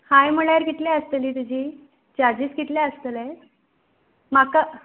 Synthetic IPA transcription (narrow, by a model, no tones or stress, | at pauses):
hajm̤əɭaɾɡit̪ljaəst̪əliːt̪ud͡ʑʱiː | d͡ʑad͡ʑiːsɡit̪ljaəst̪əlɛ | maka